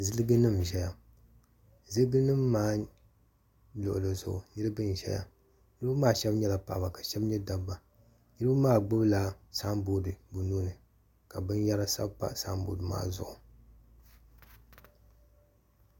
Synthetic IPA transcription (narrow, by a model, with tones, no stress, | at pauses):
zɨ˦lɨ˦ɡɨ˦nɨ˦˨m˨ʒɛ˦ja˨ | zɨ˦lɨ˦ɡɨ˦nɨ˦mːaː˦ | lʊ̰˨ʔʊ˨lɨ˨zʊ̰˨ʔʊ̰˨nɨ˦ɾɨ˦bɨ˦n˨ʒɛ̰˦ja̰˨ | ji˦ɾɨ˦bu˦maː˦ʃɛ˦bɲɛ˦la˨pa˨ʔba˨ka˨ʃɛ˦bɲɛ˦da˨bːa˨ | jɨ˦ɾɨ˦bu˦maː˦ɡ͡bʊ˦bla˦sa˦mboː˦dɨ˨bu˨nuː˦nɨ˨ | ka˨bɨ˦nja˦ɾa˦sa̰˦bpa̰˦sa̰˦mbo̰˦dɨ˨ma̰ː˦zʊ̰˦˨ʔʊ˨